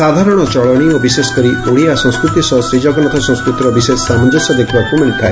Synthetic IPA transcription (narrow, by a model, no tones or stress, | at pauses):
ad̪ʱaɾɔɽ̃ɔt͡ʃɔɭɔɽ̃iɔbisesɔ̥kɔɾiʔoɽiasɔ̃ŋ̃skɾut̪isɔsɾid͡ʒɔɡɔnɔt̪ʰɔsɔ̃skɾut̪ɾɔbisessamɔnd͡ʒɔsɔd̪ekʰibakumeɭk̪ʰae